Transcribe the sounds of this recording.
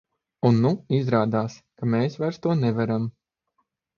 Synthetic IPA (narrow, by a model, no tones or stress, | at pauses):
unːuizɾaːd̪aːskameːsvajɾst̪uɔnɛvaɾam